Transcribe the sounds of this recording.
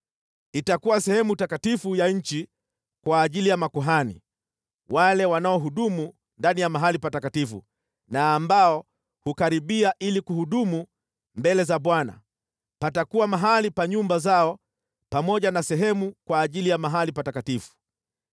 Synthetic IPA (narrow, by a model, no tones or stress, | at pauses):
itakuwasɛhɛmutakatifujaɲ̩t͡ʃi | kwaːʄilijamakuɦanḭ | walɛwanaɔɦuɗumu | ndanijamaɦalipatakatifṵ | naːmbaɔ | hukaɾiɓiaʔilikuhuɗumu | mbɛlɛzaɓwana̰ | patakuwamaɦalipaɲumbazaɔ | pamɔʄanasɛɦɛmukwaːʄilijamaɦalipatakatifu̥